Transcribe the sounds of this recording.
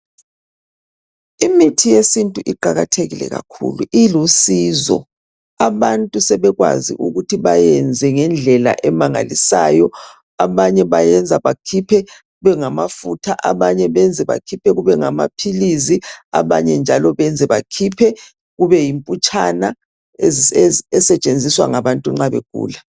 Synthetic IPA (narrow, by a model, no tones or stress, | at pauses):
imitʰijesintʼuʔiǃaɣatʰeɣilɛ̰ɣa̰kʰṵluʔilusizɔ̰ | aβantʼusɛβɛɣwa̰zḭʔuɣutʰiβajɛnd͡zʱɛŋɛnd͡ɮʱɛla̰ʔɛmaŋa̰lisa̰ːjɔ | aβaɲɛβajɛnd͡zʱaβakʰipʰɛɣuβɛŋamafutʰaʔaβaɲɛβɛnd͡zʱɛβa̰kʰipʰɛɣuβɛŋama̰pʰilizia̰βa̰ɲɛnd͡ʒʱalɔβɛnd͡zʱɛβakʰipʰɛ | ɣuβɛjimpʼut͡ʃʼana | eɛsɛt͡ʃʼend͡zʱiswa̰ŋaβantʼuŋ͡ǁaβḛɡ̥ʱṵːla